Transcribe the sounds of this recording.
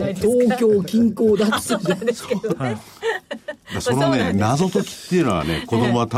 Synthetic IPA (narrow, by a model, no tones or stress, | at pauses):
t̪oːkʲo̞ːkʲĩŋkoːd̪at̪ːed̪as | d̪asononenazo̞t̪o̞kʲi̥t̪ːeɾa̰nḛko̞d̪o̞moat̪a